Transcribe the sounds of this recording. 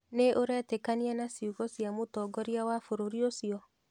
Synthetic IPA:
neʔoɾɛtekanianasiuɣɔsjamotɔːɡɔɾiawafoɾoɾiosiɔ

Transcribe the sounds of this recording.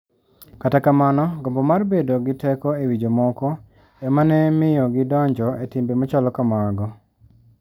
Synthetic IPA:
katakamanɔɡɔmbɔmarbedoɡɪtɛkɔewid͡ʒomɔkɔ | ɛmanɛmɪjɔɡɪdɔɲd͡ʒɔetimbemɔt͡ʃalɔkamaɡɔ

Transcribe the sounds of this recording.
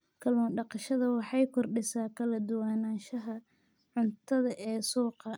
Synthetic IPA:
kʰɐlɔːnɖɑqɑʃɐðɐwɑħɑjkʰɔrɖɪsaːkʰɐlɐd̪ʊwaːnaːʃɐɦɐ | ʕʊnt̪ʰɐðɐʔɛːsuːqɐ

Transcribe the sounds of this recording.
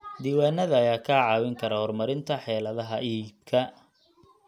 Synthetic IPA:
d̪iːwaːnːɐðɐːjaːkʰaːʕɑːwɪŋkʰɐɾɐhɔrmɐɾɪnt̪ʰɐħɛːlɐðɐɦɐiːb̚kʰɐ

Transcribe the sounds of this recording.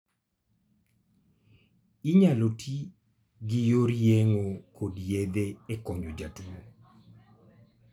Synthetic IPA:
iɲalotʰi | ɡɪjoɾjeŋokʰodjed̪eekɔɲd͡ʒod͡ʒatuo

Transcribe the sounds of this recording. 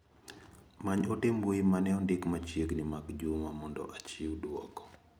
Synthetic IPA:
maɲɔtemboemanɛɔndɪkmat͡ʃjeɡnɪmakd͡ʒumamɔndɔ̰ʔat͡ʃiwdwɔkɔ̥

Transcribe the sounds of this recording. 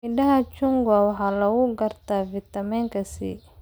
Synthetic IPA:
ɪnɖɐɦɐt͡ʃʊŋɡɐwɑħɑːlɐɣʊɡɐrt̪ʰafɪt̪ɐmɛŋkʰɐsḭː

